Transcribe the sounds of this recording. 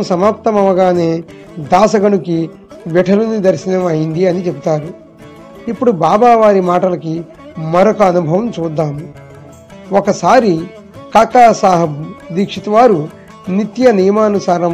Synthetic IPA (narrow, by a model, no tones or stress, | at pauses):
msɐmaːp̚t̪ɐmɐʋɐɡaːne̞ː | d̪aːsɐɡɐɳuki | ʋɛʈʰɐlunid̪ɐɾʃinɐmɐjind̪iɐnit͡ʃebut̪aːɾu | ipːuɽubaːbaːʋaːɾimaːʈɐlɐki | mɐɾokɐɐnubʱɐʋɐmt͡ʃuːd̪ːaːmu | ɔkɐsaːɾi | kaːkaːsaːɦɐd̪iːkʂit̪uʋaːɾu | nit̪jɐnijɐmaːnusaːɾɐm